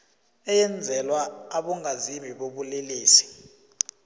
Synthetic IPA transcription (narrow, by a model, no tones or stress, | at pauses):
ɛjɛnd͡zʱɛlwaːɓɔŋazimiɓoɓuleliːsi̥